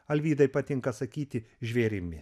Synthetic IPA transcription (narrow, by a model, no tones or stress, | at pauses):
ɐlʲʋʲiːd̪ɐɪpɐt̪ʲɪŋkɐsɐkʲiːt̪ʲɪʒʲʋʲeːɾʲɪmʲɪ